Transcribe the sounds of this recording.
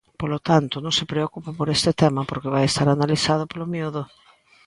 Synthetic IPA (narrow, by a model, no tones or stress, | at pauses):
polot̪ant̪ʊnõŋsepɾeokupapoɾest̪ɪt̪ɛmɐpoɾkɪβajest̪aɾanaliθaðopolomioðʊ